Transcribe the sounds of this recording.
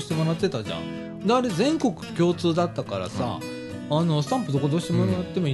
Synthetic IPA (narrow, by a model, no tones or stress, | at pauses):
ɕi̥t̪e̞mo̞ɾat̪ːe̞t̪aʑã̰ | d̪aːɾe̞zẽ̞ŋko̞kɯ̟̥kʲo̞ːt͡sɨːd̪at̪ːakaɾa̰sa̰ː | no̞sɨ̥t̪ãmpɯ̟d̪o̞kod̪oɕi̥t̪emoɾat̪ːe̞mo